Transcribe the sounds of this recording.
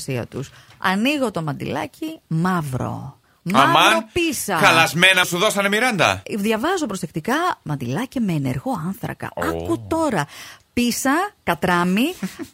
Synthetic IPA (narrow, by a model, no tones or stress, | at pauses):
siɐ̰t̪us | ɐ̰niɣo̞t̪o̞mɐnd̪ḭlɐcimɐvɾo̞̰ | mamɐopisɐxɐlɐzmenɐsuðo̞sɐne̞miɾɐnd̪ɐ̰ðʝɐvɐzopɾo̞se̞kt̪ikɐmɐnd̪ilɐcime̞ːne̞̰ɾɣo̞ɐnθɾɐ̰kɐ̰ɐkut̪o̞ɾɐpisɐkɐt̪ɾɐmi